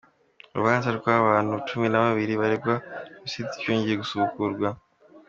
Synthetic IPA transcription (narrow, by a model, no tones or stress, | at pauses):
uɾṵβaːnzaɾɡaβaːn̥hut͡ʃuminaβaβiɾiβaɾebɡausit͡se̥coːɲɟieɡusuβukuɾɡwa